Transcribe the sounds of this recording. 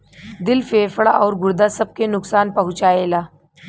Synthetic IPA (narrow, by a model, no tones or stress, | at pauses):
d̪ɪlfeːfɭaʔɔːɾɡʊɾd̪asɐb̚kenʊksaːnpɐɦʊ̃t͡ʃaːeːlaː